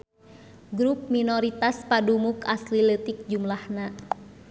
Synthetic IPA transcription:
ɡɾup̚minɔɾit̪aspadumukaslilət̪ik̚d͡ʒumlahna

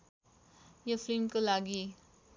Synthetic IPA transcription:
jofʰlimkolaɡi

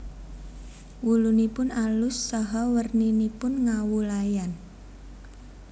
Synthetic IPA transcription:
wulunipʊnalʊsːɔɦɔwərninipʊnŋawulajan

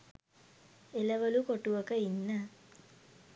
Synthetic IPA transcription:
eləʋəlukoʈuʋəkəinːə

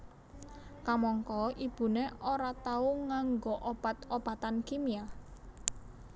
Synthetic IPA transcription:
kamɔŋkɔib̥ṳneoɾat̪auŋaŋɡoʔob̥at̪ob̥at̪ankimia

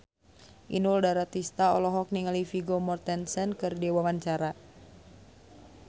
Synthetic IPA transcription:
ʔḭnuldaɾat̪ist̪aɔ̰lɔɦɔk̚niŋalifiɡomɔrt̪ɛnsɛnkɨrdiwawaɲt͡ʃaɾa

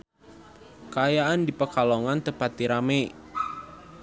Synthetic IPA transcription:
kəajaandipəkalɔŋant̪əpat̪̚ːiɾamɛ

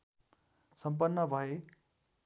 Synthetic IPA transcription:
sʌmp̬ʌnːʌbʱʌe

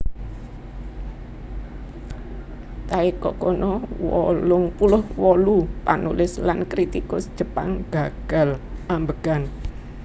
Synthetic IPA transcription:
t̪aikɔ̰kɔnɔwɔlʊŋpulʊhwɔlupanulɪslankɾit̪ikʊsd̥ʒ̥ə̤pa̰ŋɡ̥a̤ɡ̥a̤lʔambəɡ̥an

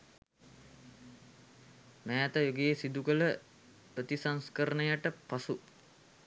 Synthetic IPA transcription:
mæːt̪əjoɡeːsid̪ukələ | pɾət̪isaŋskəɾənəjaʈəpasu

